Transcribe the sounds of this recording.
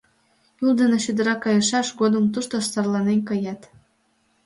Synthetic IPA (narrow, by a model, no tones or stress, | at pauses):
julˠd̪eneɕyd̪ə̆ɾɑkɑjɤ̆ʃɑʃɡod̪ə̆mt̪uʃt̪ost̪ɑrlˠɑnenʲkɤjɑt̪